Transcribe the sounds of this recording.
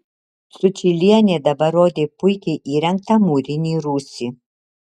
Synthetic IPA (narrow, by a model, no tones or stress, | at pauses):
sʊt͡ʃʰilʲiɛnʲeːd̪ɐbɐɾoːd̪ʲeːpʰʊjkʲɛʔiːɾʲɛŋk̚t̪ʰɐmuːɾʲɪnʲiːɾuːsʲi